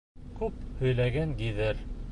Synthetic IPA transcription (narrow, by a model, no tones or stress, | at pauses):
kʉp̚hɵ̆jlæɡænd̪iðɘɾ